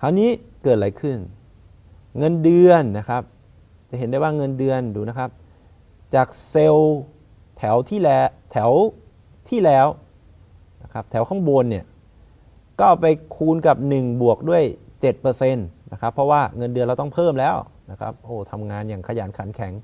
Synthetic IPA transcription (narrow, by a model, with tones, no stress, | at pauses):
t̪ʰaː˧˥wniː˦˥ | kɤː˨˩t̪̚la˨˦jkʰɯ˥˩n | ŋɤ˧ndɯ˧ənːa˦˥kʰa˦˥p̚ | t͡ɕa˨˩he˩˦nda˥˩waː˥˩ŋɤ˧ndɯ˧ənduː˧na˦˥kʰa˦˥p̚ | t͡ɕaː˨˩k̚se˧w | t̪ʰɛ˩˦wt̪ʰiː˥˩lɛ˦t̪ʰɛ˩˦w | t̪ʰiː˥˩lɛː˦˥w | na˦˥kʰa˦˥p̚t̪ʰɛ˩˦wkʰa˥˩ŋboː˧nːi˥˩ɐ | kɔː˥˩pa˧jkʰuː˧nka˨˩p̚nɯ˨˩ŋbu˨˩ək̚du˥˩əjt͡ɕe˨˩t̪̚pɤː˧se˧nna˦˥kʰa˦˥pʰːɔ˦˥waː˥˩ŋɤ˧ndɯ˧nɾa˧wt̪ɔ˥˩ŋpʰɤː˥˩mlɛː˦˥˩w | na˦˥kʰa̰˦˥p̚ʔoː˧˩t̪ʰa˧mŋaː˧njaː˨˩ŋkʰa˧jaː˩˦nkʰa˩˦nkʰɛ˨˩˦ŋ